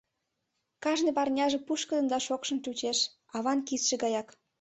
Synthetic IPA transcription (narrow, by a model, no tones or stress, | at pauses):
kɑʒnepɑrnʲɑʒĕpuʃkə̆d̪ə̆nd̪ɑʃokʃɤ̆nt͡ʃut͡ɕeʃ | ɑβɑnkisʃĕɡɑjɑk